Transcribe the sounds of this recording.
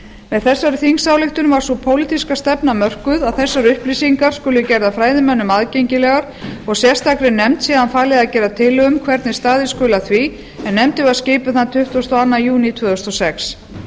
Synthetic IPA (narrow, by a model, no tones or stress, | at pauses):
mɛðθɛsːaɾɪθiŋsaːwlɪxt̪ʏnvaɾ̥sɔpʰoːwlit̪iskast̪ɛpnamœr̥kʏðaðθɛsːaɾʏhplisiŋkaɾ̥skʏːlʏcɛɾðafɾaːjðɪmɛnːʏmaðcejɲcɪlɛɣaɾ̥ | ɔɣsjɛ̥st̪akɾɪnɛmt̪siːðanfaːlɪðaðcɛːɾðat̪ʰɪlʏmkʰvɛɾt̪nɪst̪aːðɪskʏːlaθvi | ɛnːɛmt̪ɪvaðscɪːpʏθant̪ʰʏht̪ɔst̪ɔanːajuːnit̪ʰvʏðɔst̪ɔsɛks